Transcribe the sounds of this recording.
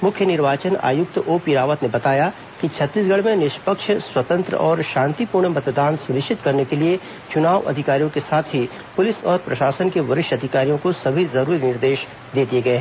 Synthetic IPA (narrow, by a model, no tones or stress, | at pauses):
mʊkʰjənɪɾʋaːt͡ʃəna̰ːjʊk̚t̪oːpiɾaːʋət̪nebɐt̪aːja | kit͡ʃʰɐt̪ːiːsɡʱɐɽmẽnɪʃpəkʃswɐt̪ə̃nt̪ɾə̰ɔːɾʃãːnt̪ipuːɾɳmɐt̪d̪aːnsʊnɪʃt͡ʃɪt̪kɐɾnekelie | t͡ʃʊnaːʋʔɐ̰d̪ʱɪkaːɾijõkesaːt̪ʰɦi | pʊlɪsɔːɾpɾɐʃaːsənkeʋɐɾɪʃɐd̪ʱɪkaːɾijõkosɐbʱizɐɾuːɾinɪɾd̪eːʃ | d̪eːd̪ieɡɐeɦɛː